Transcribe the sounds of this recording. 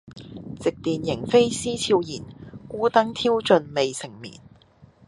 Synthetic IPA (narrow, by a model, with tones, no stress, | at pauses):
t͡sɪ˨k̚t̪iː˨njɪ˨˩ŋfe˥jsiː˥t͡sʰiː˧wjiː˨˩nkuː˥t̪ɐ˥ŋt̪ʰiː˥wt͡ʃɵ˨˧nme˨jsɪ˨˩ŋmḭː˨˩n